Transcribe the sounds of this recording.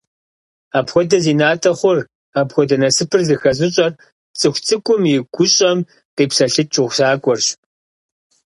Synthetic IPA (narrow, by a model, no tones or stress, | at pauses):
aːpxʷɔdɐziːnaːtʰɐχʷʊr | aːpxʷɔdɐnɐsɨpʰɨrzɨxɐzɪɕʼɐr | t͡sʼɨxʷt͡sʰʼɨkʷʼʊmjɪɡʷʊɕʼɐm | qiːpsɐɬɨt͡ʃʼɪʁʷsaːkʷʼɔrɕ